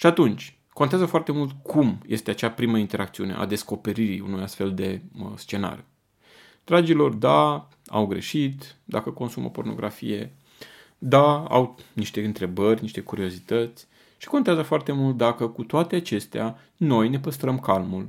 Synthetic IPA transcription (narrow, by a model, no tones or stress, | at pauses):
ʃiat̪unt͡ʃʲ | ko̞nt̪eazəfoart̪e̞mult̪kʰumje̞st̪eat͡ʃapɾiməint̪e̞ɾʔakt̪siune̞ʔa̰d̪e̞sko̞pe̞ɾiɾḭunujast̪fe̞ld̪e̞st͡ʃe̞na̰ɾju | d̪̥ɾad͡ʒilo̞rd̪a | a̰wɡɾe̞̰ʃit̪d̪akəko̞nsumo̰po̞rno̞̰ɡɾafḭje̞ | d̪aa̰wniʃt̪e̞ɨnt̪ɾe̞bərʲniʃt̪e̞kuɾio̞zit̪ət̪sʲ | ʃi̥ko̞nt̪eazəfoart̪e̞mult̪̚d̪akəkut̪oat̪eat͡ʃe̞st̪ea | no̞jne̞pəst̪ɾəmkalmul